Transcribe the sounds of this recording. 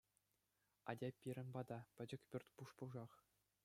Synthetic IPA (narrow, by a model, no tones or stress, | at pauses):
ɑ̰dʲɑpʲːiɾʲɘ̆nbɑd̪ɑpʲɘ̆d͡ʑɘ̆kʲpʲyrʲt̪ʲpuʂpuʐɑχ